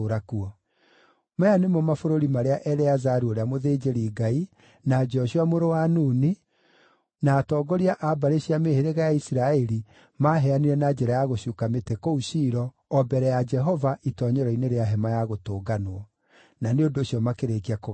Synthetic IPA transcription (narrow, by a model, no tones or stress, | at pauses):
ɾakuɔ | majanemɔmafoɾoɾimaɾeaʔɛɾɛazaɾuoɾeamoðeːd͡ʒeɾiːɡai | nad͡ʒɔɕuamoɾowanuːni | naːtɔːɡɔɾiaʔabaɾeɕiameheɾeɣajaisiɾaɛɾi | maːɦɛaniɾɛnad͡ʒɛɾajaɣoɕukametekɔuɕiːɾɔː | bɛɾɛjad͡ʒɛɦɔvaʔitɔɲɔɾɔineɾeaɦɛmajaɣotoːɡanoɔ | naneondoːɕjɔmakeɾeɣiako